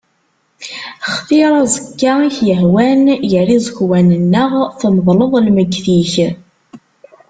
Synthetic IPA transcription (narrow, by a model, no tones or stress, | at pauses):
χθiɾˤæzəkːaiçjəɦwænjərːizəɡwænənːəʁθəməðˤləðˤlməɡθiç